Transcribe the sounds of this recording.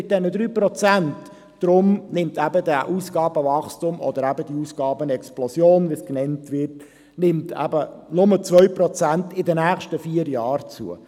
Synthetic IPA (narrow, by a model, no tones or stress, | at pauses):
ɪt̚d̥ɛnədɾyːpɾɔt͡sænt | d̥ɾʊmnɪmt̪æbədæʔuːsɡ̥ɑːbəvɑχstʊmɔ̰d̪əɾæbədiuːsɡ̥ɑːbənɛksplɔsjoːnʋisknɛntʋɪɾt | nɪmtʰæ̰bənʊmət͡sʋœʏprɔt͡sæntɪdənæːχʃtəfiːəɾjɑːɾt͡sṵə